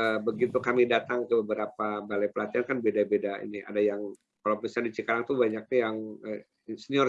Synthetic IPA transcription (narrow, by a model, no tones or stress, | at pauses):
əbəɡit̪ukamidat̪aŋkəbəbəɾapabalajpəlat̪iankanbedabedaḭnia̰dajaŋ | kalawpisandit͡ʃikaɾaŋt̪ubaɲak̚nɪjaŋə | səniɔr